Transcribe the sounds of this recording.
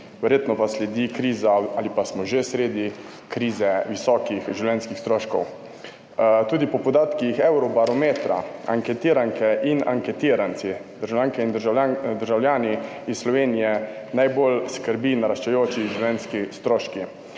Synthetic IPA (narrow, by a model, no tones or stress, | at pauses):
ʋɛɾjeːt̪nɔpaslɛd̪ikɾiːzaalipasmɔʒesɾeːd̪i | kɾiːzɛʋisɔːkixʒiwlɛnskixst̪ɾoːʃkɔ̰w | t̪uːd̪ipɔpɔd̪aːt̪kixɛwɾɔbaɾɔmeːt̪ɾa̰a̰ŋkɛt̪iːɾaŋkɛʔina̰ŋkɛt̪iːɾant̪sid̪əɾʒawljaːŋkɛind̪əɾʒad̪əɾʒawlʲjaːni | isslɔʋeːnijɛnajbolskəɾbinaɾaʃt͡ʃɛjoːt͡ʃiʒiwlʲɛnskist̪ɾoːʃki